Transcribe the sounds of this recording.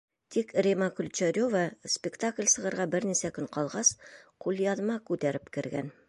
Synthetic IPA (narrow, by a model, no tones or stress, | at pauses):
t̪ʰikrʲemɑkɵlʲt͡ʃæɾʲovɑspʲɪkt̪aklʲsɤ̆ʁɤ̆ɾʁɑbɘɾnisækɵŋqɒlˠʁɑsqulˠjɑðmɑkʉt̪æɾɘpkɘ̆ɾɡæ̰n